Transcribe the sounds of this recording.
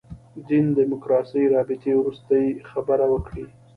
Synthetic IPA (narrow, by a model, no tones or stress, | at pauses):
d̪ind̪ɪmʊkɾɑsəjɾɑbɪt̪ewɾust̪əjxabəɾawəkɽi